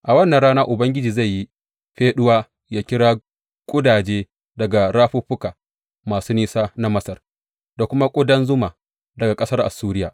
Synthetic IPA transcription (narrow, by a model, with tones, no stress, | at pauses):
ʔa˨wɐ˦nːa˨nɽaː˦naː˦ʔʊ˨bɐ˦ŋɡʲɪ˦d͡ʒiː˨za˦˨jːi˦ | ɸeː˦ɗʊ˦waː˦ | jaː˦kʲɪ˦ɽaː˦ | kʷʼʊ˦daː˨d͡ʒeː˦ | dɐ˨ɡa˨ɾaː˦ɸu˦ɸʊ˦kaː˨ | maː˨suː˦niː˦saː˦na˦mɐ˦sɐ˨r | da˨kʷʊ˦ma˦kʷʼʊ˦dɐ˦nzʊ˦ma˨ | dɐ˨ɡa˨kʼɐ˦sɐ˦rʔa̰˨suː˦ɾɪ˦jaː˨